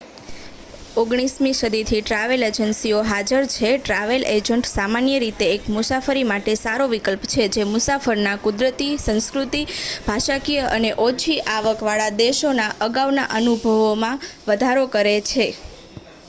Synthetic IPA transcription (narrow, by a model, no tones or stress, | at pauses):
oɡɽ̃ismiʃəd̪it̪ʰiʈɾaʋeled͡ʒənsioɦad͡ʒəɾt͡ʃʰeʈɾaʋelʔed͡ʒəɳʈsamanjəɾit̪eːkmʊsafəɾimaʈesaɾoʋikəlpt͡ʃʰed͡ʒemʊsafəɾnakʊd̪ɾət̪isə̃ñskɾut̪ib̥ʱaʃakijəʔəneʔot͡ʃʰiʔaʋəkʋaɭad̪eʃonaʔəɡaʋnaʔənubʱəʋomãʋəd̪ʱaɾokəɾet͡ʃʰe